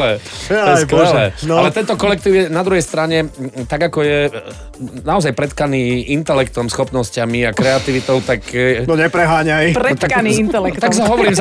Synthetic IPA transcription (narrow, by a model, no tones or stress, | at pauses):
ɛjskɛɛlɛnalɛt̪ɛnt̪ɔkɔlɛk̚t̪iːʊjɛnad̪ɾuɦɛjst̪ɾaɲɛt̪aɡakɔjɛ | naɔzajpɾɛt̪kaniːint̪ɛlɛkt̪ɔmsxɔpnɔscamiakɾɛat̪iʋit̪ɔʊt̪aknɔɲɛpɾɛɦaːɲajpɾɛt̪akaniːint̪ɛlɛkkt̪aks̬aɦɔʋɔɾiːmz